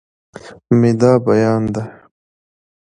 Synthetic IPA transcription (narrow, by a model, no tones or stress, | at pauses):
mid̪aːbɐjaːnd̪a